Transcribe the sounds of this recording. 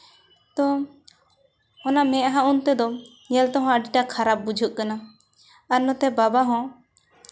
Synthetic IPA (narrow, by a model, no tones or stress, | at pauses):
t̪ɔ | ɔnamɛ̃ʔɦãunt̪ɛd̪ɔ | jɛlt̪ɔɦɔ̃əɖiʈakʰaɾap̚bud͡ʒʱuʔ̚kana | aɾnɔt̪ɛbabaɦɔ̃